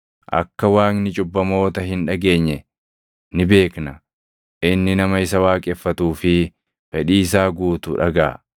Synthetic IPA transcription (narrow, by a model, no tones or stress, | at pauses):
ʔɐ̰kːɐwaːknɪt͡ʃʼʊbːɐmo̞ːt̪ɐɦɪnᶑɐɡe̞ːɲːɛ | nɪbe̞ːknɐ | ʔɪnːɪnɐmɐɪsɐwaːkʼɛfːɐt̪uːfɪ | fɛᶑiːsaːɡuːt̪ʊᶑɐɡaː